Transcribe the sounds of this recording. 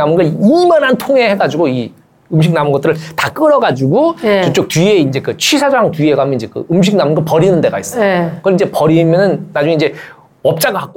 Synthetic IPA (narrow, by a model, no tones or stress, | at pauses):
amɯnɡʌimʌnɦantʰoŋe̞he̞ɡad͡ʑuɡoi | ɯmɕ̬ʰiknamɯnɡʌt͈ɯɾɯɭtak͈ɯɾʌɡad͡ʑuɡoot͡ɕ͈ok̚tɥieind͡ʑe̞kɯt͡ɕʰisʰad͡ʑaɦaŋtɥieɡoɦamjʌniɲd͡ʑe̞kɯ̰ɯmɕ̬ʰik̚namɯnɡʌɭpʌɾinɯnde̞ɡais͈ʌkɯind͡ʑe̞pʌɾimjʌnɯnːad͡ʑuŋeind͡ʑe̞ | ʌp̚t͡ɕ͈aɡɯɭɦak̚k͈